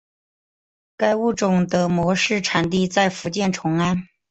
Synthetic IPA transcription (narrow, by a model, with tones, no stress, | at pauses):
ka˥ɪu˥˩ʈ͡ʂʊ˨˩ŋd̪ə˦mwɔ˧˥ʂɻ̩˥˩ʈ͡ʂʰa˨˩nt̪̬i˥˧t͡sa˥˩ɪfu˧˥t͡ɕjɛ˥˩nʈ͡ʂʰʊ˧˥ŋa˥n